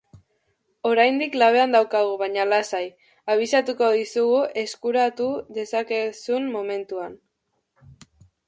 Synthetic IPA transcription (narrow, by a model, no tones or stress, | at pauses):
o̞ɾajnd̪iklaβ̞e̞and̪awkaɣ̞uβaɲalasaj | aβ̞isat̪uko̞ðisuɣue̞skuɾat̪uðe̞sakesunmːo̞me̞nt̪uan